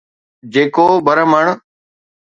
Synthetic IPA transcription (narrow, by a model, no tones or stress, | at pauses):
d͡ʑeːkoːbəɾəməɳ